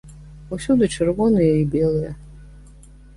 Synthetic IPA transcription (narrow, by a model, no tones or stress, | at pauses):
usʲud̪ɨt͡ʃʰɨrvɔnɨjɐibʲɛlˠɨjɐ